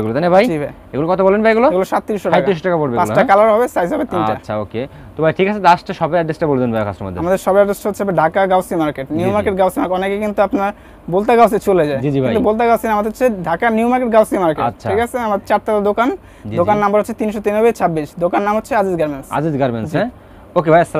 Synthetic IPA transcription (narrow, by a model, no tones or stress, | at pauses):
eɡulot̪ajnebʱajibʱaj | eɡulokɔt̪ʰobɔlenbajeɡuloeɡuloʃat̪ːiɾiʃːoɾaajtaiɾiʃoʈakapoɽbebasʈakalaɾaɦɔbesajsɦɔbet̪inaɕʰao̰ke | t̪obʱajʈʰikat͡ɕʰed̪asʈaʃɔbajaɖːesʈabold̪enbajkʰa̰sʈɾoma̰d̪ʱːeamad̪eɾʃɔbajaɖːesʈaɦot͡ɕːʰeɦɔbeɖʱakaɡawsimaɾkeʈniumaɾkeʈ̚ɡawsimaɾkɔnekekint̪uapnaɾ | bolt̪aɡawset͡ɕʰoled͡ʑaed͡ʑid͡ʑibʱaiaubolt̪̬aɡawsinamad̪eɦotːʰeɖʱakaniumaɾkeʈɡawsimaɾkeʃʰaikat͡ɕʰeamad̪t͡ɕaʈʈakad̪okan | d͡ʑd̪okanːambaɾɦotːt͡ɕʰet̪inʃot̪inobet͡ɕʰabːiʃd̪okanːamɦotːɕʰead͡ʑizɡaɾmensa̰d͡ʑizɡaɾmḛnsɛ | okebʱajsːala